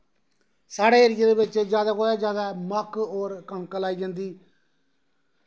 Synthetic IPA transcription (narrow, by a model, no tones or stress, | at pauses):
saːɽeːəɾijad̪eːbɪt͡ʃd͡ʒjaːd̪aːkoːd̪aːd͡ʒjaːd̪aːməkoːɾkəɳkəlaːiːd͡ʒãːnd̪iː